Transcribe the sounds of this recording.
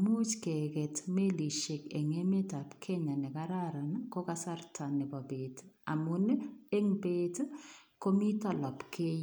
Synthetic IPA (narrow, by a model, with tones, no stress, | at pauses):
mu˦t͡ʃke˨kɛ˨tme˦li˨ʃɪ˨kḛ˨ŋe˦me˦ta˨pkʰe˦ɲa˨nɛ˨kaɾaɾa˨nko˦kasa˦rtʰanɪ˨bɔ˨be˨ta̰˨mʊ˨ne˦ŋpe˦tko˦mi˦tɔ˨lɔ˨pkʰe˦